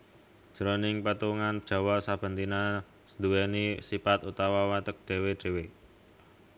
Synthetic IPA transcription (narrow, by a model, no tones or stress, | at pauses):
d̥ʒ̥əɾonɪŋpət̪uŋand̥ʒ̥ɔ̤wasab̥ə̤nt̪ina | səd̪uwɛnisipat̪ut̪awawat̪ək̚d̪̥e̤weɖ̪̥e̤we